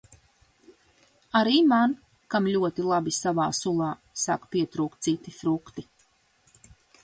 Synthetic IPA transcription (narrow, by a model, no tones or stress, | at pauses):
aɾiːman | kamʎʲuɔt̪ilˠabisavaːsulˠɑː | sa̰kpiɛt̪ɾuːkt̪̚sit̪ifɾukt̪i